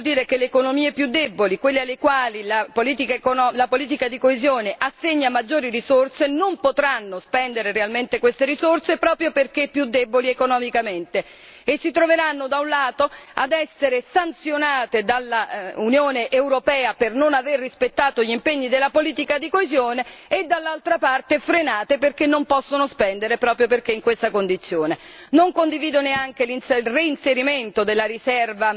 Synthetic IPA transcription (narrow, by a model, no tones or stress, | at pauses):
d̪iːɾekeleːkonomiːepjud̪ːɛbolikwelːialːekwaːlilapoliːt̪ikakoɔlapoliːt̪̬ikad̪ikoezjoːneʔasːeɲːamːad͡ʒːoːɾirizorsenompot̪ɾanːospɛnd̪eɾerealment̪ekwest̪eɾisorsepɾɔːpɾjoperkepːjud̪ːɛboliekonɔmikament̪eː | sːit̪ɾoveɾanːod̪aunlaːt̪oa̰d̪ɛsːeɾesant̪sjonaːt̪ed̪alːaunjoːneʔewɾopɛːapernonaverːispet̪ːaːt̪oʎimpeɲːid̪elːapoliːt̪ikad̪ikoezjoːneːd̪ːalːalt̪ɾapart̪efɾenaːt̪eperkenːompɔsːonospɛnd̪eɾepɾɔːpɾjop̬erk̟eiŋkwest̪akond̪it̪sːjoːne | noŋkond̪iviːd̪oneaŋk̟elinlreinseɾiment̪od̪elːaɾisɛrva